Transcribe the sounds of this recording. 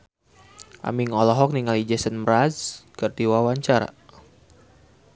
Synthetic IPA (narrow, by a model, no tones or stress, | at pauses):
ʔa̰miŋɔlɔɦɔk̚niŋalid͡ʒɛsənmɾazkərd̪iwawaɲt͡ʃaɾa̰